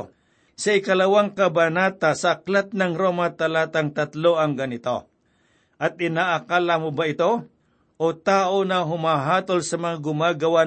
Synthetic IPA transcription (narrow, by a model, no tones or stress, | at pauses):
sɐɪkɐlɐwaŋkɐbɐnaːt̪asɐʔːklat̪̚nɐŋɾoːmat̪ɐlaːt̪aŋt̪ɐt̪loʔɐŋɡɐnɪt̪o̞ | ʔɐt̪̚ɪnaːʔɐkaːlamʊbaɪt̪o̞ | ʔot̪aːʔonɐɦʊmaɦaːt̪olsɐmɐŋaɡʊmaɡɐwa